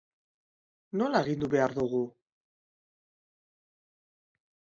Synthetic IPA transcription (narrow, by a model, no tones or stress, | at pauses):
no̞lae̞ɣind̪uβe̞aɾðuɣu